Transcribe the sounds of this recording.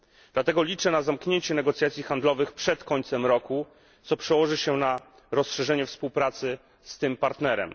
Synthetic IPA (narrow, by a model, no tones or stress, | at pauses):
d̪̥lat̪ɛɡɔlʲit͡ʂɛnazamkɲeɲt͡ɕɛnɛɡɔt̪sʲjat̪sʲjixand̪lɔvɘxpʂɛt̪kɔɲt̪sɛmɾɔku | t̪sɔpʂɛwɔʐɘɕɛna | ɾɔsʂɛʐɛɲɛfspuwpɾat̪sɘ | st̪ɘmpaɾt̪nɛɾɛ̰m